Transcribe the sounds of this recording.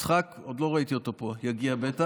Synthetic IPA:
t͡sχakod̪lo̞ʁait̪io̞t̪o̞po̞jaɡiabet̪a

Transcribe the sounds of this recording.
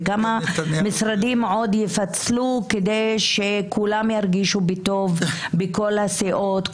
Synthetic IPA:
ɡamamisɾad̪imʕo̞d̪jefat͡sluked̪e̞jʃekʰulamjaɾɡiʃubit̪o̞vbeko̞lhaseʔo̞t̪

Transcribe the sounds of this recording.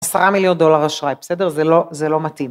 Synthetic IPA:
asaʁamiljo̞nd̪o̞laʁaʃʁajbesɛdeʁzelozelo̞mat̪im

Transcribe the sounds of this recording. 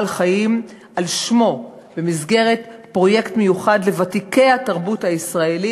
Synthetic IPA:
lχajim | alʃmo̞ | b̥emizɡe̞ʁe̞tpʁo̞je̞ktmejuχadle̞vatike̞jhataʁbuthaisʁaeli

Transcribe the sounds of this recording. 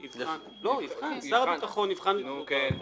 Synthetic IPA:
nivan | lonivχansaʁabit̪aχonivχanl

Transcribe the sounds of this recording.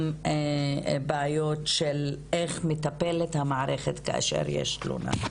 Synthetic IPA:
m | baajo̞tʃeleχmetapelethamaʕaʁeχetkaa̰ʃḛʁjḛʃtlṵna̰

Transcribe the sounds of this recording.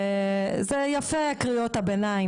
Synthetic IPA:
zejafeakʁiot̪abenai

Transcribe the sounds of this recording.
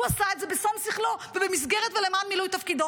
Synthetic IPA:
asaɪtzɛbɪsɔmsiχlˠovɪbɪmis̬ɡɛɾətvɪlɛmaːnmilujtafkidɔ

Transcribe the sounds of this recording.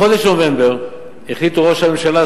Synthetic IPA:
o̞d̪eʃnovembeʁ | eχlit̪uʁoʃhame̞mʃala

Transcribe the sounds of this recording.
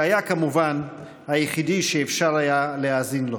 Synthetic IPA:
ajakamuvan | hajeχidiʃeːfʃaʁajalehazinlo

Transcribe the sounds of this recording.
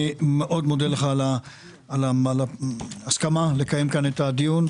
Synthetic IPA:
imeʔo̞dmodeleχala | alaalaaskamale̞kaje̞mkanetad̪ijun

